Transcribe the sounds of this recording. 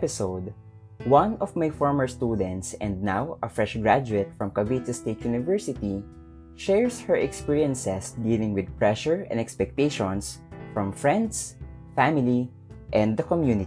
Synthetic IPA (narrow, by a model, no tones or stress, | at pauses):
pɪsowd̪ | wãnɔvmajfɔɹməɹst̪ud̪ɛ̃nt̪sɛ̃nd̪̚nawɐfɹɛʃɡɹad͡ʒʊɛt̪̚fɹɔ̃mkabit̪ʊst̪et̪junɪvɛɹsɪt̪i | ʃɛɹshɛɹʔɛkspiɹiɛ̃nsɛsd̪iːlɪ̃ŋwɪd̪̚pɹɛʃɔɹɛ̰̃nd̪ɛkspɛk̚t̪eʃɔ̃nsfɹɔ̃mfɹɛ̃nd̪sfæmɪli | ʔɛ̃nd̪ɐkɔmjunɪ